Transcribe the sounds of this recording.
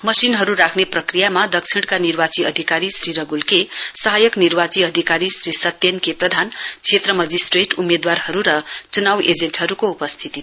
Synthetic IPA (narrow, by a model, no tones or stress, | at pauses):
mʌsinɦʌɾuɾakʰneprʌkrijamad̪ʌk̚t͡sʰiɽ̃kanirbat͡siʌd̪ʱikaɾisriɾʌɡulkesʌɦajʌknirbat͡siʌd̪ʱikaɾisrisʌt̪ːjenkeprʌd̪ʱant͡sʰet̪rʌmʌd͡zisʈreʈumed̪warhʌɾuɾʌt͡sunawed͡zenʈɦʌɾukoupʌst̪ʰit̪i